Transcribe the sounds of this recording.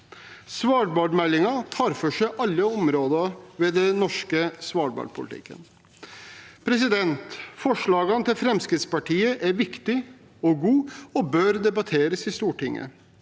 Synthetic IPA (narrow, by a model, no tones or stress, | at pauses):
sʋɑːɖbɑɖ̪mɛlːɪŋɑt̪ʰɑːɾfɔʂæɪʔɑlːəɔmɾoːd̪ɑʋɛd̪ɛnɔʂkəsʋɑːɖbɑ̰ɖ̪pʰʊlɪt̪ʰɪ̰kːə̰n | pʰɾɛs̬ɪd̪ɛnt̪fɔʂɭɑːɡɑnət̪ʰɪlfɾɛmskɾɪt̪spɑʈʰiːəʔæɾʋɪkt̪ɪ | ɔɡuːɔbøɾd̪ɛbɑt̪ʰeːɾəsɪst̪uːʈɪŋːə̰